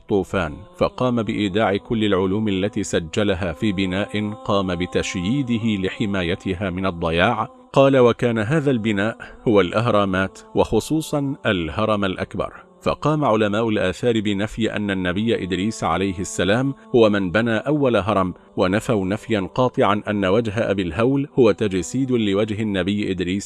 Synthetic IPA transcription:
t̪ˤːuːfaːnfɑqɑːmabɪʔiːd̪aːʕɪkʊlːɪlʕʊluːmʔalːat̪iːsad͡ʒːalaɦaːfiːbɪnaːʔɪnqɑːmabɪt̪aʃjiːd̪ɪɦɪlɪħɪmaːjat̪ʰɪɦaːmɪnɑd̪ˤːɑjaːʕ | qɑːlawakaːnaɦaːðaːlbɪnaːʔhʊwalʔɪɦɾˤɑːmaːt̪wɑxʊsˤuːsˤɑnʔalhɑɾˤɑmalʔa̰kbɑ̰ɾˤ | fɑ̰qɑːmaʕʊlamaːʔʊlʔaːθɑːɾbɪnafjʔa̰nːanːabɪjːaʔɪd̪ɾiːsʕa̰lajhɪsːalaːmhʊwamɪnbanaːʔawːalaɦɑɾˤɑm | wanafawnafjanqɑːt̪ˤɨʕanʔanːawad͡ʒɦaʔabilɦawlhʊwat̪ad͡ʒasiːd̪lɪwad͡ʒɦɪnːabɪjːʔɪd̪ɾiːs

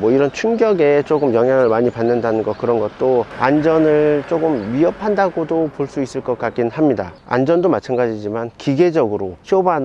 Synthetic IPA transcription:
mwʌiɾʌnt͡ɕʰuŋɡjʌɡe̞t͡ɕ͈oɡɯmjʌŋɦjaŋɯɭmaɲipanːɯndanɯnɡʌkɯɾʌnɡʌt̚t͈oand͡ʑʌnɯɭt͡ɕ͈oɡɯmɥiʌpʰandaɡodopoɭs͈uis͈ɯɭk͈ʌk͈at̚k͈inhamɲida̰ | a̰nd͡ʑʌndomat͡ɕʰanɡad͡ʑid͡ʑimankiɡe̞d͡ʑʌɡɯɾoɕʰioban

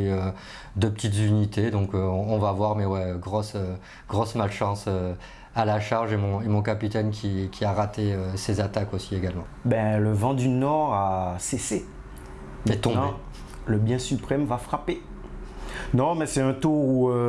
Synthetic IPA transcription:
ø | d̪əpət̪it̪zynit̪ed̪ɔ̃køɔ̃ːvavwaʁmɛwɛɡʁɔsø | ɡ̥ʁɔsmalʃɑ̃sø | alaʃaʁʒemɔ̃emɔ̃kapit̪ɛnkʲikʲʰiaʁat̪eøsezat̪akosieɡalmɑ̃bɛ̃ləvɑ̃d̪ynɔʁasese | mɛt̪ɔ̃b̃e | ləbjɛ̃sypχɛmvafχape | nɔ̃mɛsɛɛ̃t̪ouø

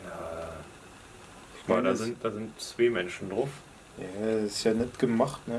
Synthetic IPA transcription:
jaː | a̰daːzɪnt̚d̥aːzɪntt͡sv̥eːmɛnʃn̩dʁʊf | jaːsɪstjaːnɛtɡ̥əmaχtnə

